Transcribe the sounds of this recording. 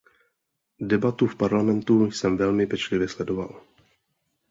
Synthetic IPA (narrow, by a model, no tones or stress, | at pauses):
dɛbat̪ufpaɾlamɛnt̪ujsɛmvɛlmɪpɛt͡ʃlɪvjɛslɛdo̞va̰l